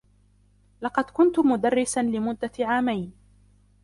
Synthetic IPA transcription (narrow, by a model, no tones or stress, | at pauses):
lɑqɑd̪kʊnt̪ʊmʊd̪arːɪsanlɪmʊd̪ːaʕaːmajn